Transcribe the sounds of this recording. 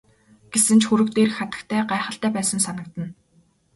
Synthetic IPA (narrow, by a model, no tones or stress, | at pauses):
ɡ̥esɘ̆nt͡ɕxuɾɵ̆kt̪eːrxχat̪ə̆kt̪ʰæːɢaeχə̆ɬt̪æːpæːsə̆nsanə̆k̚t̪ə̆n